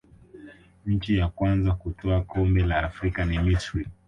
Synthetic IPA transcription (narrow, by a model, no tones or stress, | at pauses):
ɲ̩t͡ʃijakwanzakutɔakʰɔmbɛlaːfɾikanimisɾi